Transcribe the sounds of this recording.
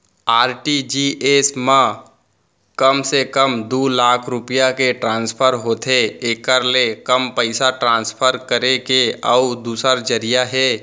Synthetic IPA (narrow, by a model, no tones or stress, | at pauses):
aːɾʈid͡ʒiʔeːsmã | kəmsekəmd̪uːlaːkʰɾʊpijakeʈɾãːnspʰəɾɦoːt̪ʰeeːkəɾlekəmpəɪsaʈɾãːnspʰəɾkəɾekeɔʊd̪uːsəɾd͡ʒəɾijaɦɛː